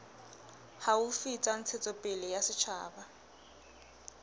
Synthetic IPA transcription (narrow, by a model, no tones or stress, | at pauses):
haʊfit͡sʼan̩t͡sʰet͡sʼɔpʼɪlɪjasɪt͡ʃʰa̰ːba